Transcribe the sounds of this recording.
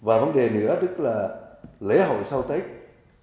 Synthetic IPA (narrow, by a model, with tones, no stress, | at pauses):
vaː˨˩və˨˦nɗe˨˩nɨ̰˧˥ət̪ɨ˦˥k̚laː˨˩le˨˦ɦo̰˧˨jsa˧wt̪ə˨˦˥jk̚